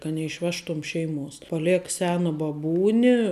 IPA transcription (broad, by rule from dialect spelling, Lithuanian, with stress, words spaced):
kɐ nʲɛɪʃʲˈʋʲæːʃtʊm ˈʃʲɛɪˌmuɔs pɐˈlʲɛk ˈsʲæːnɐ bɐˈbuːnʲɪ